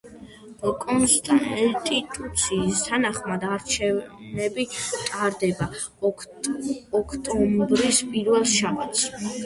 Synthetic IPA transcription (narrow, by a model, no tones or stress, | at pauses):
b̥ɔkʼɔnsd̪ast̪ʼit̪ʼut̪sʰiːst̪ʰanaχmad̪aɾt͡ʃʰɛvnɛbit̪ʼaɾd̪ɛba | ɔkʰt̪ʼɔmbɾispʼiɾvɛlˠʃabat̪s